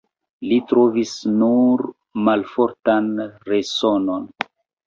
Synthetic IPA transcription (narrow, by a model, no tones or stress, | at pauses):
litɾo̞visnuɾ | malfo̞ɾtanɾeso̞no̞n